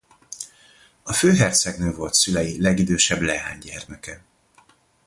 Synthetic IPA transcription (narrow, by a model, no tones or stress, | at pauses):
ɒføːɦɛrt̪sɛɡnøːvo̞lt̪sylɛjilɛɡid̪øːʃɛblɛɦa̰ːɲɟɛrmɛkɛ